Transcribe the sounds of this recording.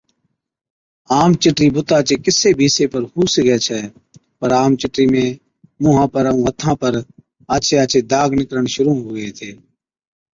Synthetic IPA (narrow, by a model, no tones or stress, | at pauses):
aːmt͡ʃɪʈɾiːbʊt̪aːt͡ʃeːkɪseːbʱiːseːpəɾhuːsɡɛːt͡ʃʰɛː | pəɾaːmt͡ʃɪʈɾiːmẽː | mʊːɦãːpəɾəũːət̪ʰãːpəɾ | aːt͡ʃʰeːaːt͡ʃʰeːd̪aːɡnɪkɾəɳʃʊɾuːɦoːɡəeːt̪ʰeː